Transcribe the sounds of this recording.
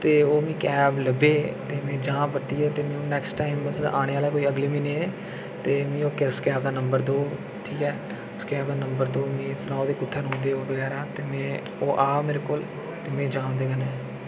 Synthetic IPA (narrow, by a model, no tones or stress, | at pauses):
t̪eːoːmĩːkɛːbləbeːt̪eːmẽːd͡ʒãːbət̪iːɛːt̪eːmẽːoːnɛːksʈaːɪmːəsaːñeːaːlaːkoːiːəɡliːmĩːnẽːeː | t̪eːmĩːoːkɪskɛːb̚d̪aːnəmbəɾd̪oː | ʈʰiːkɛː | skɛːbd̪aːnəmbəɾd̪oːmẽːsənaːod̪eːkʊt̪ʰːəɾɦõːnd̪eːoːbəɡɛːɾaːt̪eːmɛ̃ː | oːʔaːmeːɾekʊl | t̪eːmẽːd͡ʒãːnd̪eːɡənɛ̃ː